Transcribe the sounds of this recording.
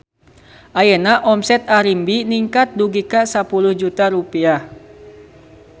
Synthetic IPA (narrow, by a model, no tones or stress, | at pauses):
ʔajənaʔɔmsɛt̪aɾimbiniŋkat̪̚duɡikasapuluhd͡ʒut̪aɾupiah